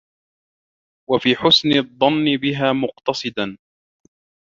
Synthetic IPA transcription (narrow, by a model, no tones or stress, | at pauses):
wafiːħʊsnɪðˤːɑnːɪbɪɦaːmʊqt̪ɑsˤɨd̪an